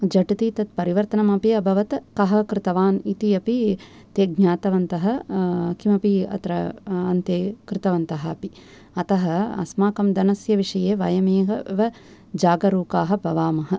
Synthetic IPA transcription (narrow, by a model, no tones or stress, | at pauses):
d͡ʒɐʈit̪iːt̪ɐt̪̚pɐɾiʋɐɾt̪ɐnɐmɐpiɐbʱɐʋɐt̪kɐɦɐkɾɪt̪ɐʋaːnit̪iɐpi | t̪eːɡ̚ɲaːt̪ɐʋɐnt̪ɐɦɐkimɐpiɐ̰t̪ɾɐɐnt̪eːkɾɪt̪ɐʋɐnt̪ɐɦɐɐpi | ɐt̪ɐɦɐɐ̰smaːkɐmd̪ɐnɐsjɐʋiʂɐjeːʋɐ̰jɐmeːɦɐ̰ʋɐ | d͡ʒaːɡɐɾuːkaːɦɐ̆bʱɐʋaːmɐɦɐ̆